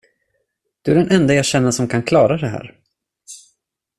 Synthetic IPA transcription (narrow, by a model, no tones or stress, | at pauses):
d̪̥ɵæɖɛnʔɛnd̪ajɑːɕɛnːasɔmkʰankʰlɑːɾad̪ɛɦæ̰ːɾ